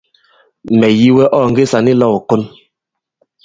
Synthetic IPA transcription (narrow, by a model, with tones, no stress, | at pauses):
mɛ˨ji˦wɛ˦ʔɔː˦˨ŋ̩ɡe˦sa˨ni˦lɔ˦˨wɔ˨ko˦n